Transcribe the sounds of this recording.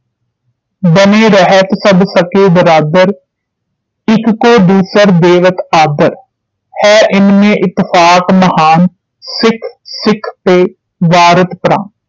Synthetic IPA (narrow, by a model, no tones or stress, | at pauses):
bəneːɾəɦət̪səbsəkeːb̪əɾaːd̪əɾ | ɪkːoːd̪uːsəɾd̪eːʋət̪aːd̪əɾ | hɛːʔɪnmẽːʔɪt̪ːɪfʰaːkməhaːn | sɪkʰsɪkʰpeː | ʋaːɾət̪pɾã̰ːn